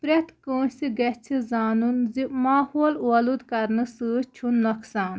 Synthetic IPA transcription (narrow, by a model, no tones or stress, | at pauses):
pɾet̪kə̃ːsiɡɐt͡sʰizaːnunzimaːhoːlwɐlud̪kɐɾnɨsɨt͡ʃʰunːɔksaːn